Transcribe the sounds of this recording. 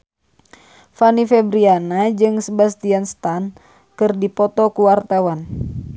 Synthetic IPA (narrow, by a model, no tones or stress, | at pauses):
fanifɛbɾianad͡ʒɨŋsəbast̪ianst̪an | kɨrdipɔt̪ɔkuwart̪awan